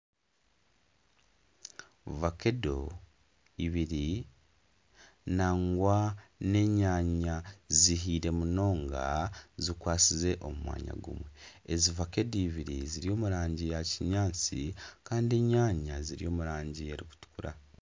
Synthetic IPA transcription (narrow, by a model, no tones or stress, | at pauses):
vake̞do | iβiɾi | naŋɡwane̞ɲaːɲaziɦiɾe̞muno̞ːŋɡa̰zikwaːt͡size̞ʔomumwa̰ːɲa̰ɡṵmwe̞ezivake̞doiβiɾiziɾio̞ːmuɾaːɲɟijaciɲaːnt͡sikaːndie̞ɲaːɲaziɾijo̞ːmuɾaːɲɟije̞ɾiku̥tu̥kuɾa